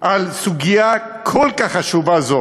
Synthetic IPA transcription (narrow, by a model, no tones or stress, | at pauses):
ʔalsuɡija | kʰolkaχaʃuvazo